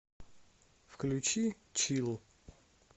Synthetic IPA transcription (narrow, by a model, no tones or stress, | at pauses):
fklʲut͡ʃi | t͡ʃʰilˠ